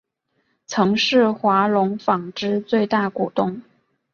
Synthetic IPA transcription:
t͡sʰɤ˧˥ŋʂɻ̩˥˩xwa˧˥lʊ˧˥ŋfɑ˨˩ŋʈ͡ʂɻ̩˥t͡swe˥˧ɪt̪a˥˩ku˨˩t̪ʊ˥˩ŋ

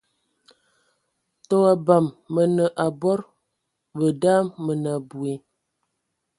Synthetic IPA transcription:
tɔ˦a˨ba˨mːə˨nə˨ʔa˨bɔ˦ɾ | bə˨daː˦mmə˨na˨bu˨e˨

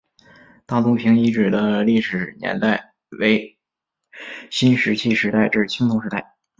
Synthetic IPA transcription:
t̪a˥˩t̪ʊ˥pʰi˧˥ŋi˧˥ʈ͡ʂɻ̩˨˩d̪ə˦li˥˩ʂɻ̩˨˩njɛ̰˧˥nt̪a˥˩ɪ | we˧˥ɪ | ɕi˥nʂɻ̩˧˥t͡ɕʰi˥˧ʂɻ̩˧˥t̪a˥˧ɪʈ͡ʂɻ̩˥˩t͡ɕʰi˥ŋt̪ʰʊ˧˥ŋʂɻ̩˧˥t̪a˥˩ɪ

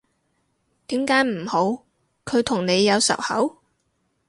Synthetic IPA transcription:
t̪iː˨˥mkaː˨˥jm̩˨˩ho˨˥w | kʰɵ˨˧ɥt̪ʰʊ˨˩ŋne˨˧jːɐ˨˧wsɐ̰˨˩whɐ˨˥w

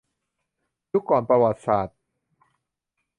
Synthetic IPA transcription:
ju˦˥kːɔː˨˩˦npɾa˧wa˨˩t̪̚saː˨˩t̪̚

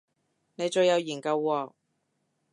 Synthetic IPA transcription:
ne˨˧jt͡ʃɵ˧ɥjɐ˨˧wjiː˨˩kɐ˧wːɔː˧

